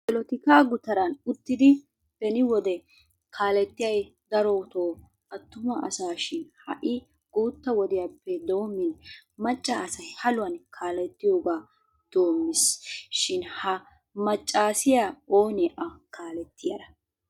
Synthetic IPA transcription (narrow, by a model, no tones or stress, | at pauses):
bɛlɔt̪ɪkaːɡʊt̪ɐɾɐnʊt̪ːɪd̪ɪ | b̥ɛnɪwɔd̪ɛ | kʰaːlɛt̪ːɪjɐj | d̪ɐɾoːt̪oː | ʔɐt̪ːʊmɐʔɐ̰saːʃɪnhɐ̰ʔɪ | ɡ̥uːt̪ːɐwɔd̪ɪjapːɛd̪o̞ːmːɪnmɐt͡ʃʼːɐːsɐjhɐlʊwɐnkʰaːlɛt̪ːɪjoːɡaː | d̪̥o̞ːmːɪsʃɪnhɐ | mɐt͡ʃʼːaːsɪjaːoːnɛʔɐkaːlɛt̪ːɪjɐd̪ɐ